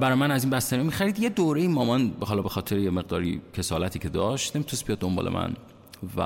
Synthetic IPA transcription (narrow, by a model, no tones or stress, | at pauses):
bæɾɒjmænæzinbæst̪æɾimemixæɾid̪je̞d̪oːɾejimɒːmɒnbeɦɒːlɒːbexɒːt̪ʰeɾejeme̞ɣd̪ɒːɾḭcʰe̞sɒːlæt̪ʰiːcʰe̞d̪ɒːʃt̪nemit̪ʰusbijɒd̪ːombɒ̰ːlemæ̰n | væ̰